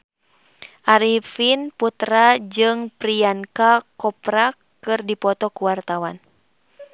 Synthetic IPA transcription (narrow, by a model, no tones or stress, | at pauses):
ʔaɾifinput̪ɾad͡ʒɨŋpɾiankakɔpɾakː | ɨrdipɔt̪ɔkuwart̪awan